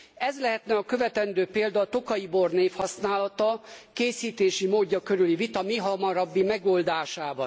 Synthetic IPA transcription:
ɛzlɛɦɛt̪nɛɒkø̞vɛt̪ɛnd̪øːpeːld̪ɒːt̪o̞kɒjiborneːfhɒsnaːlɒt̪ɒkeːsiːt̪eːʃimoːɟːɒkøɾylivit̪ɒmiɦɒmɒɾɒbːimɛɡoːld̪aːʃaːbɒn

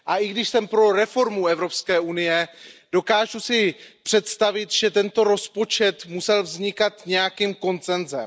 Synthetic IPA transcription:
ʔaʔɪɡdɪʃsɛmpɾo̞ɾɛfo̞ɾmuɛvɾo̞pskɛːʔunɪjɛd̥o̞kaːʒusɪpr̝̥ɛt̪st̪avɪt̪ʒ̥ɛt̪ɛnt̪o̞ɾo̞spo̞t͡ʃɛt̪musɛlvzɲɪkat̪ɲɛjakiːmko̞nt͡sɛnzɛ̰m

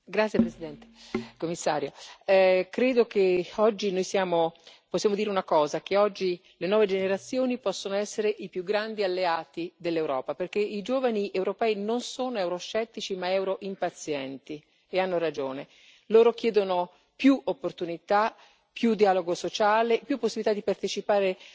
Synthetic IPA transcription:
ɡɾat̪sːjepɾesid̪ɛnt̪e̥komːisːaːɾjo | kɾeːd̪okeɔd͡ʒːinojsjaːmoposːjaːmod̪iːɾeunakɔːzak̟eɔd͡ʒːi | lenwɔːved͡ʒeneɾat̪sːjoːnipɔsːonoɛsːeɾeʔipjuɡːɾand̪ialːeaːt̪id̪elːewɾɔ̰ːpaperk̟eid͡ʒoːvaniʔewɾopɛːinonsoːnoewɾost͡ʃɛt̪ːit͡ʃimaɛwɾoʔimpat̪sjɛnt̪i | eanːoɾad͡ʒoːne | loːɾok̟jɛːd̪ono | pjuopːort̪unit̪a | pjud̪iaːloɡosot͡ʃaːlepjupːosːibilit̪ad̪ipart̪et͡ʃipaːɾe

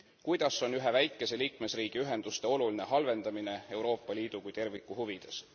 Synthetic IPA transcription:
kujd̪̥ɑso̞nyɦe̞væjkːˑe̞se̞liːkme̞sriːɡ̥iyɦe̞nd̪ust̪e̞o̞luline̞ɦɑlve̞nd̪̥ɑmine̞e̞wɾo̞ːpːˑɑliːd̪̥ukujt̪e̞rvikːˑuhuvid̪̥e̞s

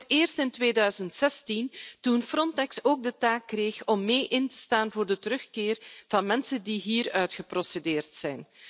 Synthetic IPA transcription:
teːrstɪntʋeːdœɥzəntsɛstintunfrɔntɛksoːɡ̚dətaːkːreːxɔmːeːʔɪntə̥staːnvoːrdətəɾɵxkɪːrv̥ɑnmɛnsəndiɦiːrœɥtxəprɔsedeːrtsɛjn

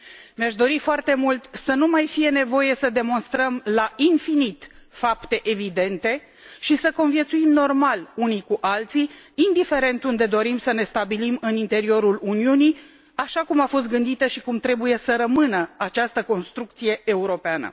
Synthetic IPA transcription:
meaʃd̪o̞ɾifoart̪e̞mult̪sənumajfije̞ne̞vo̞je̞səd̪e̞mo̞nst̪ɾəmlainfinit̪fapt̪e̞ʔevid̪e̞nt̪e̞ | ʃisəko̞nvjet̪suimno̞rmalunikuʔalt̪siːnd̪ife̞ɾe̞nt̪und̪e̞d̪o̞ɾimsəne̞st̪abilimɨnint̪e̞ɾio̞ɾuluniuni | aʃakumafo̞s̬t̪̚ɡɨnd̪it̪əʃikumt̪ɾe̞buje̞səɾəmɨnəat͡ʃast̪əko̞nst̪ɾuk̚t̪sije̞euɾo̞peanə̰

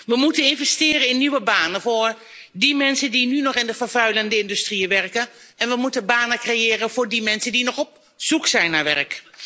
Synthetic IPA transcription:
ʋəmutənɪnvɛstɪːɾəɪnːyʋəbaːnənvoːɹ | dimɛnsəndinynɔχɪndəvərvœɥləndəɪndystriəʋɛrkə | ɛnʋəmutəbaːnəkrejɪːɾəvʊːɹdimɛnsəndinɔχɔp̚ | suksɛjnːarʋɛ̰rk

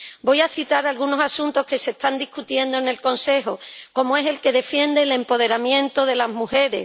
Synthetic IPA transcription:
bo̞jasit̪aɾalɣuno̞sasunt̪o̞hke̞se̞st̪and̪ihkut̪je̞nd̪o̞ene̞lko̞nse̞ɦoko̞moe̞se̞lke̞ðe̞fje̞nd̪e̞le̞mpo̞ð̞e̞ɾamjẽ̞nt̪oð̞e̞lazmuxe̞ɾe̞̰

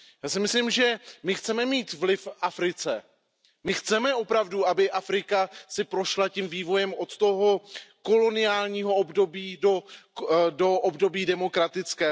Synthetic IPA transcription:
jaːsɪmɪslimʒɛmɪxt͡sɛmɛmiːt̪vlɪfʔafɾɪt͡sɛ̰ | mɪxt͡sɛmɛʔo̞pɾavduabɪʔafɾɪkasɪpɾo̞ʃlacimviːvo̞jɛmo̞t̪t̪o̞ɦo̞ko̞lo̞nɪjaːlɲiːɦo̞obdo̞biːdo | do̞ʔobdo̞biːdɛmo̞kɾat̪ɪt͡skɛː

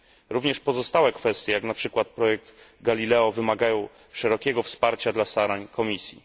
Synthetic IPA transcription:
ɾuvɲɛʂpɔzɔst̪awɛkfɛst̪ʲjɛjaknapʂɘkwat̪̚pɾɔjɛk̚d̪ɡalʲilɛɔvɘmaɡajɔ̃w̃ | ʂɛɾɔkʲɛɡɔfspaɾt͡ɕad̪last̪aɾaɲkʰɔmʲisʲjḭ

